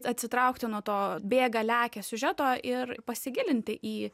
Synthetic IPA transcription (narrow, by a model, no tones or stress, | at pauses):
ɐt̪ʲsʲɪt̪ɾɐʊkt̪ʲɪnuɔt̪oːbʲeːɡɐlʲæːkʲɛsʲʊʒʲæt̪oːʔɪrpɐsʲɪɡʲɪlʲɪnʲt̪ʲɪʔiː